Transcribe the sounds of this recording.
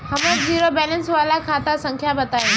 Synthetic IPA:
ɦɐməd͡ʒiːɾobɛːlə̃nsʋaːlakʰaːt̪asə̃ŋkʰjabɐt̪aːje

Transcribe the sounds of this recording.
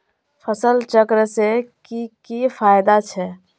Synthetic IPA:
pʰəsəlt͡ʃəkɾəsekikipʰajd̪at͡ʃʰɛ

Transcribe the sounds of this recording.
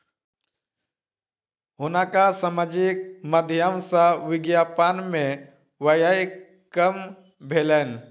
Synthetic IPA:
ɦʊnakasəməd͡ʒik̚məd̪ʱjəmsaʋɪɡjaːpaːnmẽ | ʋəjaj | kəm | bʱeːlen

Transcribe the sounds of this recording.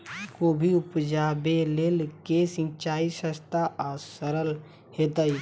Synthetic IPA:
koːbʱiʊpd͡ʒaːbeleːlkesɪ̃nt͡ʃaːisəst̪aʔaːsəɾəl | heːt̪ai

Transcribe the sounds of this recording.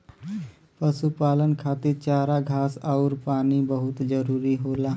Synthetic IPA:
pəsupaːlənkʰaːt̪ɪɾt͡ʃaːɾaɡʱaːsaʊɾpaːnibəɦʊt̪d͡ʒəɾuːɾiɦoːlaː

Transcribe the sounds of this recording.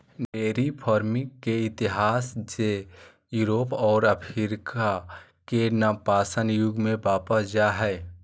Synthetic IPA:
ɖeːɾipʰɔːɾmikeɪt̪iɦaːsd͡ʒe | juːɾoːpɔːɾəpʰiɾkʰa | kenəpaːsənjʊɡmẽbaːpəsd͡ʒaɦɛː

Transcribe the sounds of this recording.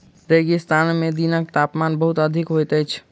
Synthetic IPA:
ɾeɡist̪anmed̪inək̚t̪apmanbəɦut̪əd̪ʱikɦojt̪əjt͡ʃʰ

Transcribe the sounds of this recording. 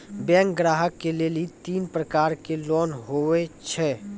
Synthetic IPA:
bjɛ̃ːŋkɡɾaːɦəkːelelit̪iːnpɾəkaːɾkeloːnɦoet͡ʃʰɛː

